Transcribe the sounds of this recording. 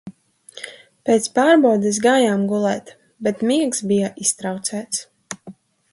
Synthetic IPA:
peːt̪spaːɾbɔwd̪ɛs̬ɡaːjaːmɡulˠɛːt̪ | bɛt̪miɛksbijaʔist̪ɾawt̪sæːt̪s

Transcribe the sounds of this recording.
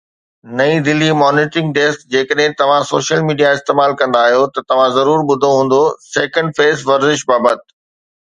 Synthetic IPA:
nɐĩd̪ɪlimɔːnɪːʈɾɪ̃ŋɡ̚ʈeːskd͡ʑeːkəɗɦɪ̃t̪ɐʋ̤ãsoːʃəlmiːɖijaɪst̪eːmaːlkɐ̃nd̪aːɦijot̪ɐt̪ɐʋ̤ãzɐɾuːɾɓʊd̪ʱoɦũːn̆d̪osɛːkə̃ɳɖfeːzʋɐɾzɪʃbaːbət̪̚

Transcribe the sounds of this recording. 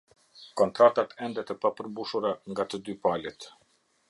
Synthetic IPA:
kɔnt̪ɾat̪at̪ɛnd̪ɛt̪əpapəɾmbuʃuɾaŋɡat̪əd̪ypalɛt̪

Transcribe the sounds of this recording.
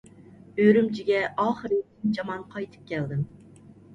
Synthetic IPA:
øɾymt͡ʃʰiɡʲɛʔɑːχəɾit̪ʲʰind͡ʒɑmɑnqʰɑjt̪ʰɨ̥p̚kʲʰɛld̪ɪm

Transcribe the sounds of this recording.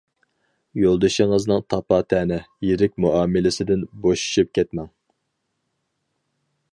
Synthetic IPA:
jolˠd̪ɨʃiŋɨznɨŋt̪ʰɑpɑːt̪ʰɛːnɪjeɾɪkʲmuʔɑːmɪlɪsɪd̪ɪnboʃu̥ʃyp̚kʲʰɛt̪mɛŋ

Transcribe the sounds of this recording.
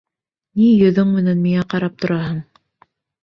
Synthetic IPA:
nijɵ̆ðɵŋmɘ̆nænmiŋæqɑɾɑp̚t̪ŏɾɑhɤɴ

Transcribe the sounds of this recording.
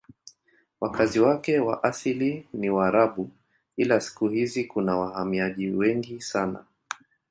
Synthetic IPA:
wakʰaziwakɛwa̰ʔasiliniwaːɾaɓu | ilasi̥kuhizikunawahamiaʄiwɛŋɡisana̰

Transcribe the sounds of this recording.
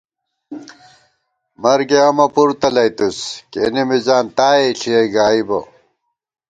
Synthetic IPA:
mɐɾɡeɐmɐpuɾt̪ɐlɐjt̪uskḛnimizaːnt̪aːeɬieɡaːibo

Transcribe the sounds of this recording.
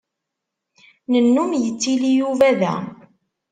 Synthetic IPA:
nənːumjət͡sːilijuvæðæ̰

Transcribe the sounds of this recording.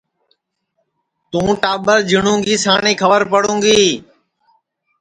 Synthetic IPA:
t̪ũːʈaːɓəɾd͡ʒɪɳũːŋɡiːsaːɳĩːkʰəʋəɾpəɽũːŋɡiː

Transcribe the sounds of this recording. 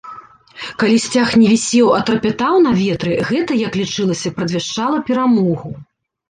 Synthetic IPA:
kalʲisʲt͡sʲaxnʲɛvʲisʲɛwɐt̪ɾɐpʲɛt̪awnɐvʲɛt̪ɾɨɣɛt̪ɐjɐklʲit͡ʂɨlˠɐsʲɐpɾɐd̪ʲvʲɛʂt͡ʂalˠɐpʲɛɾamɔɣu

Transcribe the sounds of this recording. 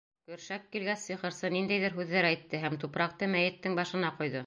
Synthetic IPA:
kɵ̆ɾʃækːilɡæssiχɤ̆ɾsɤnind̪æjðɘɾɦʉðːæɾæjt̪ːɘɦæmt̪upɾɑq̚t̪ɤmæjɘ̆t̪ːɘŋbɑʃɤ̆nɑqujðɤ

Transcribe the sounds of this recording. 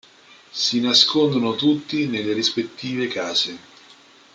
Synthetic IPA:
sinaskond̪onot̪ut̪ːinelːeɾispet̪ːiːvekaːze

